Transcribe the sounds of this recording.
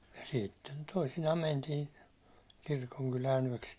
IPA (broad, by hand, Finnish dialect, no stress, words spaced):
jɑ sitːen toisinɑː mæntiːn kirkoŋkylæːn yæ̹ks